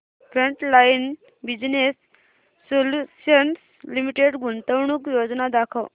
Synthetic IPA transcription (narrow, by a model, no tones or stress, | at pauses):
fɾəɳʈlajin | bid͡znesː | oluɕəns | limiʈeɽɡunt̪əwɳuːkjod͡znad̪akʰəw